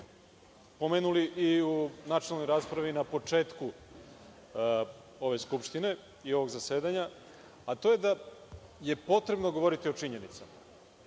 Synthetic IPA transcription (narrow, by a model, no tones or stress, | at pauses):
po̞meːnuliʔiunat͡ʃialnojɾaːspɾaʋinapo̞t͡ʂe̞ːt̪ku | o̞ʋe̞skupʃt̪ine̞ | io̞ʋo̞ɡzase̞ːd̪aɲa | at̪o̞je̞d̪a | je̞po̞t̪ɾe̞bno̞ɡo̞ʋo̞ɾit̪io̞t͡ʂiɲe̞nit̪sama